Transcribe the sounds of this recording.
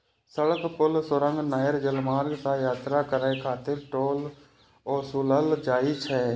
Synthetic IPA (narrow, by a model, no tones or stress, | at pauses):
səɽəkpʊlsəɾə̃ŋɡnaːjəɾd͡ʒəlmaːɾɡsajaːt̪ɾakəɾaekʰaːt̪ɪɾʈoːl | ɔːɾsuləld͡ʒaːit͡ʃʰɛː